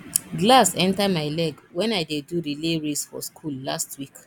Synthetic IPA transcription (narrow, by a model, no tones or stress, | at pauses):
ɡlasɛ̃ntamaɪlɛɡwɛ̃najdeduɾileɹesfɔ̰skʰulːastwik